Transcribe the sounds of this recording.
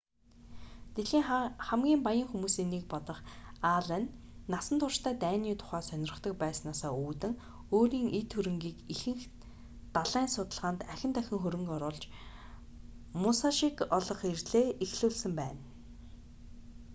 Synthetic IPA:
t̪eɮxiːŋχæmɡʲiːmpajə̆ŋxumuːsiːnːek̚pɔt̪ɞ̆χaɮæːnː | asə̆nt̪ʰʊrʃt̪ʰæːt̪æːniːt̪ʰʊ̥χæːsœnʲɪ̆rə̆χt̪ə̆k̚pæːsnaːsaːuːt̪ɘ̆ŋ | oːɾiːŋʔet̪ʰːɵɾɘ̆ŋɡiːkixɘ̆ŋx | t̪aɮæːnsʊt̪ə̆ɮʁaːnt̪æxʲɪ̆nt̪ʰæxʲɪ̆ŋxɵɾɵ̆ŋkɔɾʊːɮt͡ɕ | mʊsaʃikɔɮɞ̆χirɮeːʔixɮuːɮsɘ̆mpæ̰ːn

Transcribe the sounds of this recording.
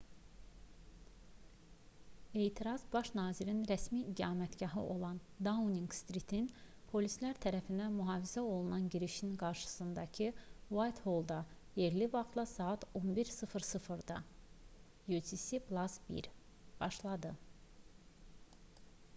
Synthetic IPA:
e̞ːt̪ʰiɾɑzbɑʃnɑːziɾinɾæsmid̪ɑːmæt̪ɟɑɦɯ̰ʔo̞lˠɑn | d̪auniŋɡst̪ɾit̪ʰin | pʰo̞lʲislæɾt̪ʰæɾæfind̪æmyɦɑːvizæo̞lˠunɑnɟiɾiʃinɡɑɾʃɯ̥sɯnd̪ɑcʰiwajt̪holˠd̪ɑ | je̞ɾlivɑχt̪lˠɑsɑːɑt̪ʰo̞nbiɾsɯfɾsɯfɯɾd̪ɑ̰ | jut̪ʰisiplˠɑsbḭɾ | b̥ɑʃlˠɑd̪ɯ

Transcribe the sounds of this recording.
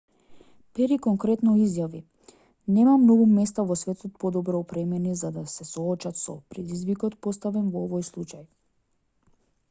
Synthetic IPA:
pɛɾikɔŋkɾɛt̪nɔizjavi | nɛmamnɔɡumɛst̪avɔsvɛt̪ɔt̪̚pɔd̪ɔbɾɔɔpɾɛmɛnizad̪asɛsɔːt͡ʃat̪sɔpɾɛd̪izvikɔt̪pɔst̪avɛnvɔɔvɔjslˠut͡ʃaj

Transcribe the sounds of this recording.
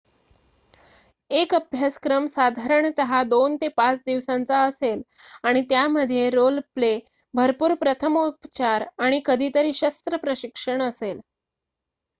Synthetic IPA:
ekəbʱjaskɾəmsad̪ʱaɾəɳt̪əɦad̪ont̪epat͡sd̪iʋsãnt͡saəsel | aɽ̃it̪jaməd̪ʱjeɾolple | bʱəɾpuːɾpɾət̪ʰəmupt͡ɕaɾaɽ̃ikəd̪ʱiːt̪əɾiːɕəst̪ɾəpɾəɕikʂəɳəsel

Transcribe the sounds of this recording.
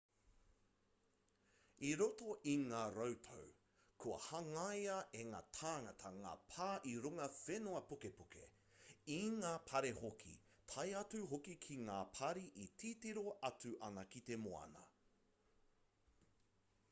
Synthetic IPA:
iɾotoʔiŋaːɾɐwtʰo̰w | kʰuɐ̰hɐŋɐjɐʔeŋa̰ːtʰaːŋɐtʰɐŋa̰ːpʰaːʔiɾuŋɐfenoɐpukepukʰḛ | iŋaːpʰɐɾehokʰḭ | tʰɐjɐt͡suɦokikʰiŋaːpʰɐɾiʔitʰiːtiɾo̞ʔɐt͡sʉʔɐnɐkitemoɐ̰nɐ̰

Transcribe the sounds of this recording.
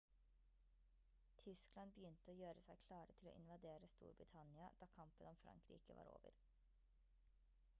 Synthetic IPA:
t̪ʰʏsklɑnbəjʏnt̪əoːjøːɾəsæɪkʰlɑːɾət̪ʰɪlo̰ːʔɪnʋɑd̪eːɾəst̪ṵːɾbɾɪt̪ʰɑnɪɑd̪̥ɑːkʰɑmpənɔmfɾʔɑ̰ŋkɾḭːkəʋɑ̰ːɾo̰ːʋə̰ɾ

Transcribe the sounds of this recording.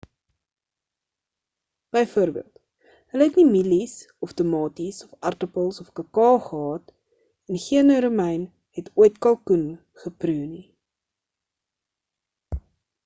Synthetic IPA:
b̥əjfuəɾbḭəlˠt | ɦələɦɛtnimilisɔftəmɑːtisɔfɐrtəpəlˠsɔfkəkɑːχəɦɑːt | ɛnχiənəɾumɛjn | ɦɛtʰuəjtkɑlˠkun | χəpruːni

